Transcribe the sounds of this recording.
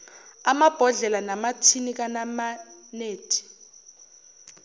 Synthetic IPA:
amab̥ʱɔɮɛlanamatʰinik̬anamaneːtʰi̥

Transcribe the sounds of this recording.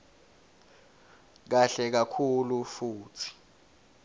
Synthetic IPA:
k̬aɬɛk̬akʰulufuːtʰi̥

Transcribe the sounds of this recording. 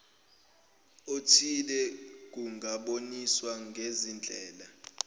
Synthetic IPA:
otʰilɛk̬ʼuŋʱaɓoniswaŋɡʱezind͡ɮʱɛːla

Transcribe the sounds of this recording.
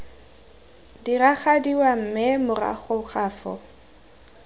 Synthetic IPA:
diraχadiwam̩mɪmʊra̰χʊχaːfɔ̰

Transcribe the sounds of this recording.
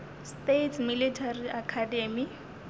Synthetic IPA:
stetʰmilitʰariakʰademi

